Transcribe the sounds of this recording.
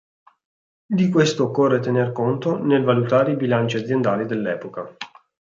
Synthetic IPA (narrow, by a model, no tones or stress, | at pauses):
d̪ikwest̪oːkːorːet̪enerkont̪onelvalut̪aːɾeibilant͡ʃiad̪zjend̪aːlid̪elːɛːpoka